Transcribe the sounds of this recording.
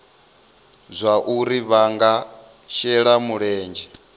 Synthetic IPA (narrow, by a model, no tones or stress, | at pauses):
zʷaʔuɾiβaŋɡa | ʃɛɺamuɺɛːnd͡ʒɛ